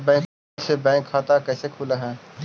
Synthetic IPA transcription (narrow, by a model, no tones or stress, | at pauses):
bɛ̃ːk | sebɛ̃ːŋkʰːaːt̪akɛːsekʰuːlaɦɛː